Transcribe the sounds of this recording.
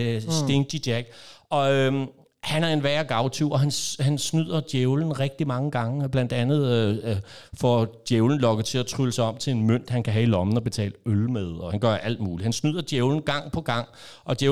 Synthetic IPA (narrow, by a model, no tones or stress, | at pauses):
sd̥e̝ŋd̥id̥jæɡ̥ɒ̽ | hænæɐe̝nʋæɐɡ̥ɑ̈ʊt͡sʰuɒ̽ɦænhænsnyð̰ˠɐd̥jeʊln̩ʁɛɡ̥̚d̥imɑ̈ŋəɡ̥ɑ̈ŋəb̥læn̰d̥ænð̞̩ˠ | fɒ̰d̥jeʊln̩lɒ̽ɡ̥əð̩ˠt͡sʰe̝læt͡sʰʁyləsɑ̈ɪɒ̽m̥̰t͡sʰe̝le̝nmøn̰d̥hænkʰæɦæilɒ̽mn̩ɒ̽b̥e̝t͡sʰɛ̰ːləølmeð̞ˠɒ̽hænɡ̥ɶɐʔæl̰d̥̚muːlihænsnyð̰ˠɐd̥jeʊln̩ɡ̥ɑ̈ŋ̰pʰɒ̽ɡ̥ɑ̈ŋ̰ | ʔɒ̽d̥je